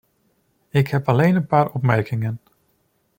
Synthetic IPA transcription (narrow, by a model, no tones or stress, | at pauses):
ɪkɦɛpɑlejnənpaːɾɔpmɛɹkɪŋən